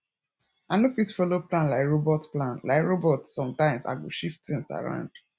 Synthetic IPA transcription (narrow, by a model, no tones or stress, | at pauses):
anofisfɔloplãnlaɪkɹobɔtplãnla̰ɪkɹobɔtsɔ̃mtãɪ̃msa̰ɡo̰ʃiftθĩŋsa̰ɹã̰ʊ̃nd̥